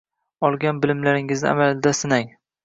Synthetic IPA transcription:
ɒlˠɡʲanbɪlɪmlaɾɪŋɪznɪ̰a̰malɪd̪asɪnaŋ

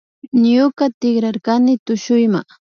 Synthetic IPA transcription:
ɲʊkat̪ɪɡɾaɾkanɪt̪ʊʃʊjma

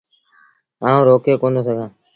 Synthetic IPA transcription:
aːũːɾoːkʰeːkõːnd̪oːsəɡʱãː

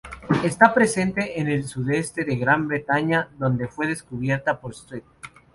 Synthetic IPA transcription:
e̞st̪apɾe̞se̞nt̪e̞ʔːne̞lsuðe̞st̪e̞ðeɣɾambɾe̞t̪aɲaðo̞nd̪e̞fwe̞ðe̞skuβje̞ɾt̪apo̞ɾst̪ɾet̪̚

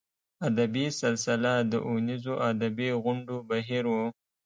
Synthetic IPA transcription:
ad̪abisɪlsɪlad̪əʔʊnizoʔad̪abiɣʊɳɖobaɦiɾwu

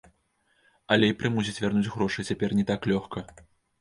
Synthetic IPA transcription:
ɐlʲɛjpɾɨmus̬ʲit͡sʲvʲarnud͡zʲɣɾɔʂɨt͡sʲapʲɛrnʲɛt̪aklʲɔxkɐ

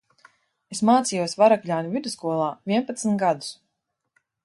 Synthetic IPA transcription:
esmaːt̪sijuɔsvaɾaklʲaːnʲuvʲid̪uskuɔlˠaːvʲiɛnpat̪sn̩t̪ɡad̪u̥s

